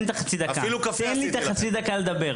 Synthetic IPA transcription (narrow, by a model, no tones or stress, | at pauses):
nt̪aχat͡sid̪akailukat̪enlit̪aχat͡sid̪akaled̪abeʁ